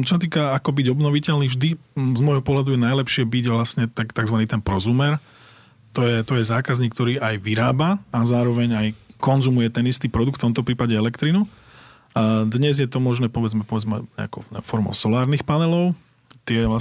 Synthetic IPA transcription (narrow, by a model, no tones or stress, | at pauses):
t͡ʃɔsat̪iːkaakɔbiɟɔbnɔʋicɛʎniːvʒd̪izmɔjɦɔpɔɦlad̪ujɛnajlɛpʃɪɛbiɟʋlasɲɛt̪akt̪aɡzʋaniːt̪ɛnpɾɔzumɛɾ | t̪ɔjɛt̪ɔjɛzaːkazɲiːkt̪ɔɾiːʔajʋiɾaːbaazaːɾɔʋɛɲajkɔnzumujɛt̪ɛnist̪iːpɾɔd̪ukft̪ɔmt̪ɔpɾiːpaɟɛɛlɛkt̪ɾinu | d̪ɲɛzjɛt̪ɔmɔʒnɛːpɔʋɛd͡zmɛpɔʋɛd͡zmɛɲɛ̰akɔɛ̰fɔɾmɔ̰sɔlaːɾnixpanɛlɔʊ | t̪ɪɛʋla